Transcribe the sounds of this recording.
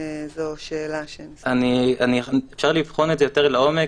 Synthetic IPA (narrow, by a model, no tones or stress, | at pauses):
zoʃeːlaʃe | anianiefʃaʁlivχo̞nedzejoteʁlaome